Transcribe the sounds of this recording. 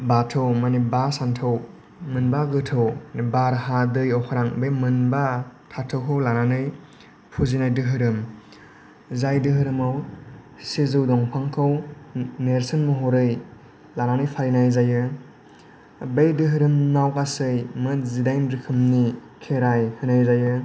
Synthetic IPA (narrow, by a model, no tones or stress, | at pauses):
batʰɯwmanibaɾsantʰɯw | mɯnbaɡɯtʰɯwnibaɾɦadɯjɔwkʰaɾaŋbejmɯnbatʰatʰɯwkʰɯwlananɯj | pʰuzinajdɯɦɯɾɯm | zajdɯɦɯɾɯmaw | sezɯwdɔŋpʰaŋkʰɯwneɾsɯnmɔɦɔɾɯj | lananɯjpʰaɾnajzajɯ | bejdɯɦɯɾɯmnawkasɯjmɯtzidajnɾɯkʰɯmni | kʰeɾajhɯnajzajɯ